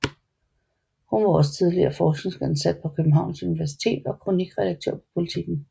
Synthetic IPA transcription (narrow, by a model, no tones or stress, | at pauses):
hunʋɑ̈ɒ̽s̬ə̥t͡sʰið̞ˠliɐ̰ɐfɒːsɡ̥neŋsɡ̥en̩sæd̥̚pʰɒ̽kʰøbm̩ɦɑ̈ʊ̰nsuniʋæɐs̬i̥t͡sʰe̝̰ːd̥ɒ̽kʰʁoniɡ̥ʁɛd̥ɑɡ̥̚t͡sʰøɐ̰pʰɒ̥pʰo̝lit͡sʰiɡ̥n̩